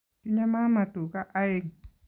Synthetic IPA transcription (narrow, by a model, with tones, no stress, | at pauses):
tu˦ɲã˦mã˦mã˨t̪u˨ka˦ʔa˦e˦˨ŋ